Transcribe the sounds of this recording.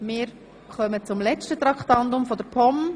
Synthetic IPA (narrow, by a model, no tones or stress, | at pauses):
mɪːɾ | χœmət͡sʊmlɛt͡ʃtətɾɑktɑndʊmfɔdəɾpʰɔm